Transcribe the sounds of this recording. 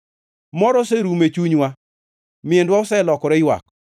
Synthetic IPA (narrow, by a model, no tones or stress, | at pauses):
mɔɾɔseɾumet͡ʃuɲwa | mɪendwaʊsɛlɔkɔɾɛɪjwa̰k̚